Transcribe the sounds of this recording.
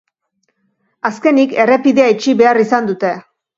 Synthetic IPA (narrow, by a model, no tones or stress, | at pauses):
aske̞nike̞re̞piðeait͡ʃiβe̞arisand̪ut̪e̞